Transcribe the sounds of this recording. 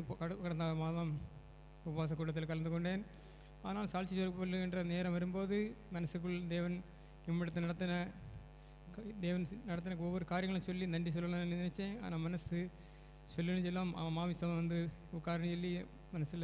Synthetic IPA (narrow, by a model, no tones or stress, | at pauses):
pkɐkɐɽɐnd̪aːmaːðɐːm | ʊbɐʋaːs̬ɐkːuːʈːɐt̪ːɪlkɐɭɐnd̪ɯkːɔɳɖeːn | aːɐnaːlsaːlt͡ʃːisɔpːolːɯɪndrɐneːɾɐ̃mʋɐɾɯmboːðɯmɐnɐsɯkːɯɭd̪eːʋɐn | ɪmːɪɽɐt̪ːɯnɐɽɐt̪ːɐnɐ | kd̪eːʋɐnnɐɽɐt̪̬ːɪnɐkːɯɔʋːɐɾɯkaːɾɪjɐŋɡɐɭɐ̃sɔlːinɐɳɖis̬ɔlːɐlanːɯnɪnɛt͡ʃːẽːa̰ːnaːmɐnɐsɯ | sɔlːɪnd͡ʒɛlːãːm̰maːʋisɐmɐʋɐnd̪ɯʊkːaːɾɐnɐt͡ʃɔlːi | mɐnɐsɪl